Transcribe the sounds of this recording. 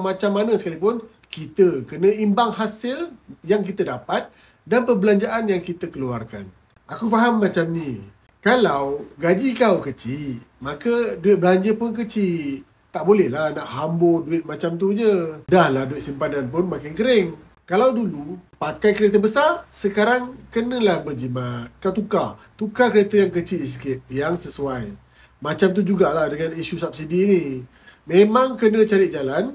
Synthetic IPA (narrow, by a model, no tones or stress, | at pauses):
mat͡ʃamːanəsə̥kalipʊn | kit̪əkənə̃imbaŋɦasɪljaŋk̬it̪ədapat̪̚ | danpəbəlaɲd͡ʒaʔanjaŋkit̪əkəlua̰rka̰n | ʔakufaɦamːat͡ʃamni | kalawɡad͡ʒikawkət͡ʃimakəduɪt̪̚bəlaɲd͡ʒəpʊnk̬ət͡ʃi | t̪aʔbolɛhlahnaʔhamboduɪt̪̚mat͡ʃamt̪̬ud͡ʒədahlahduɪt̪̚simpandanpʊnmakɪnkəɾɪŋ | kalawdulupakajkəɾet̪əbəsarsəkaɾaŋkənə̃lahbəd͡ʒimakat̪uka | t̪ukakəɾet̪əjaŋkət͡ʃiskɪt̪̚jaŋsəsuaj | mat͡ʃamt̪̬ud͡ʒuɡalahdəŋaniʃusap̚sidiːni | memãŋkənə̃t͡ʃaɾɪt̪̚d͡ʒalan